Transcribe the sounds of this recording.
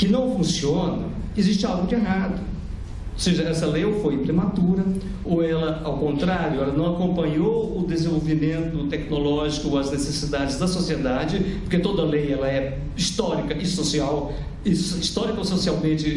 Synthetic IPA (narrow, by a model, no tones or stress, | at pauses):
kɪnɐ̃w̃fũsiõnɐ | ɪziʃt͡ʃɪawɡʊd͡ʒɪeɦad̪ʊ | oseʒɐɛsɐlejofojpɾemat̪uɾɐ | oɛlɐawkõnt̪ɾaɾjʊɛlɐnɐ̃w̃akõmpɐ̃ɲowʊd̪ezẽvowvimẽnt̪ʊt̪ɛknolɔʒikʊɐznesesid̪ad͡ʒɪzd̪ɐsosied̪ad͡ʒɪpoɾket̪od̪ɐlejɛlɐɛ | ist̪ɔɾikɐʔɪsosiaw | ɪsist̪ɔɾikɐososiawmẽt͡ʃɪ